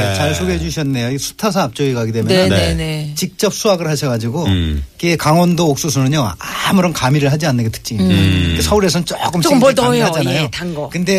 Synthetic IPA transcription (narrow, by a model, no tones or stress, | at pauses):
t͡ɕaɭsʰoɡɦed͡ʑuɕʰʌnːe̞joisʰu̥tʰas̬ʰaːp̚t͡ɕ͈oɡiɡaɡidwe̞mjʌnɯenet͡ɕik̚t͡ɕ͈ʌp̚s͈uaɡɯɭhaɕʰʌɡad͡ʑiɡoiɡekaŋwʌndoːk̚s͈us̬ʰunɯɲʌŋamɯɾʌnkamiɾɯɭɦad͡ʑianːɯnɡetʰɯ̥k̚t͡ɕ͈iiekesʰʌuɾe̞sʰʌnnt͡ɕoɡɯmtoɭɦad͡ʑanajotaŋɡʌkɯnde̞